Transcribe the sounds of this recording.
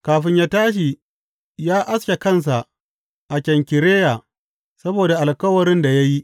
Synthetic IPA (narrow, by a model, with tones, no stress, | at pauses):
kaː˨ɸɪ˦ɲjaː˦taː˦ʃ̬i˨ | jaː˦ʔa˦skʲe˨kɐ˦˨ns̬a˨ʔ | ʔa˨kʲɛ˨ŋkʲɪ˨ɾeː˦ja˨ | sɐ˦boː˨da˨ʔa˨lkɐ˦wɐ˨ɾɪ˦nda˨ja˦ji˦